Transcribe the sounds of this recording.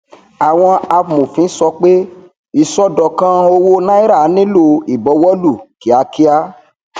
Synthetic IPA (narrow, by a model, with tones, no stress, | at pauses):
a˨w̃ɔ̃˧a˧˨mo˨fĩ˨˦sɔ˧k͡pe˦ | i˨sɔ˦dɔ˨kã˦o˧wo˦nã˦i˦ɾa˦˨˦nĩ˦lo˧i˨bɔ˨˧wɔ˦lu˦˨ki˨˦a˧ki˦a˦